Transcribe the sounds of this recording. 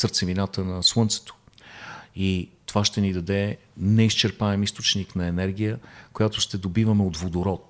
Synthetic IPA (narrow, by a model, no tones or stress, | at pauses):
səɾt̪sɛvinat̪ənɐswɤnt̪sɛ̥t̪o̥ | it̪ovaʃt̪ɛnid̪ɐd̪ɛ | nɛist͡ʃɛɾpaɛmist̪ot͡ʃniknɐɛnɛɾɡ̟ʲijəkojat̪ʊʃt̪ɛd̪obivəmɛot̪vod̪oɾɔt̪̚